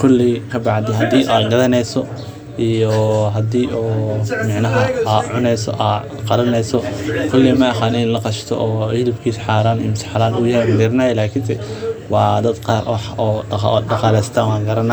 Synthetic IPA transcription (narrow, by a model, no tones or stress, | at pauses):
kʰʊlːikʰɐbɑʕd̪ɪhɐd̪iːʔaːd̪ɡɐðɐnɛjsɔ | ʔijɔɦɐd̪iːʔɔːmɑʕnɐɦɐʕʊnɛjsɔ̰ʔa | qɑlɐnɛjsɔkʰʊlːɪmɐɐħaːnɪnlɐqɑʃt̪ʰɔ̰ʔɔːhɪlɪbkʰiːsħaːɾaːnɪmt̪ʰɪ̥ħalaːnujɐɛjmɐd̪ɪɾɐnɐːjɛlaːkʰɪnsɛwɑːd̪ɐd̪qɑːɾwɑħɔːɖɑqɑːlɛjst̪ʰaːnwɑːŋɡɐɾɐna